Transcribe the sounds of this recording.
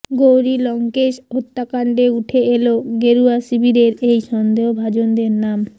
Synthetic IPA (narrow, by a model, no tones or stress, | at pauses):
ɡowɾilɔŋkeʃɦot̪ːakaɳɖeuʈʰeeloɡeɾuasibʱiɾeɾejʃɔnd̪eobʱad͡ʑond̪eɾnam